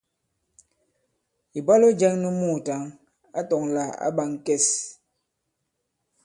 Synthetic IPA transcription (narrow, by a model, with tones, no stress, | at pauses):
i˨ba˦lo˦d͡ʒɛ˦ŋnu˦mu˦˨ta˨˦ŋ | a̰˦tɔ˨ŋla˨a̰˦ba˨ŋ˨kɛ˦˨s